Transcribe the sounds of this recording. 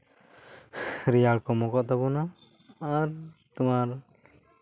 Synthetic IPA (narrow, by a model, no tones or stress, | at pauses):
ɾijaɭkɔmɔkɔʔt̪abɔnaː | ɾt̪umaɾ